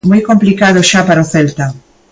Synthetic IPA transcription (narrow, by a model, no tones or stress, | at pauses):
mojkomplikaðoʃapaɾoθɛlt̪a